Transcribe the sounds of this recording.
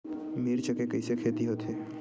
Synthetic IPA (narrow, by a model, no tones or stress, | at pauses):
miɾt͡ʃəkekəɪsekʰeːt̪iɦoːt̪eː